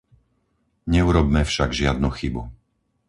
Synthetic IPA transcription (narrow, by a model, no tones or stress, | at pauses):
ɲɛuɾɔbmɛfʃaɡʒɪad̪̚nuxibu